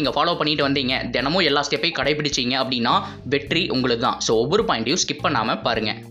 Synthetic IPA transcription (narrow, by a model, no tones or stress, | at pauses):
iːŋɡɐfaːloːpɐɳːɪʈːɯʋɐnd̪iːŋɡɐd̪ɛnɐmõːɛlːaːst̪ːɪjɐpːɐɪkɐɽɐɪpːɪɽɪt͡ʃːɯiːŋɡɐɐpːɐɽɪnːaː | ʋɛʈːɾiʔʊŋɡɐɭɯkːɯt̪ã̰ːsoːɔʋːɔɾɯpaːɪɳʈjʊ̃skɪpːɐɳːa̰ːmɐpaːɾɯŋɡɐ̰